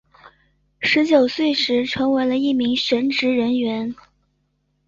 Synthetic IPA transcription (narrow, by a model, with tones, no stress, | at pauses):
ʂɻ̩˧˥t͡ɕjo˨˩ʊswe˥˩ɪʂɻ̩˧˥ʈ͡ʂʰɤ˧˥ŋwe˧˥ɪlə˧i˥˩mi˧˥ŋɕɥɛ˧˥nʈ͡ʂɻ̩˧˥ɻə˧˥nɥɛ˧˥n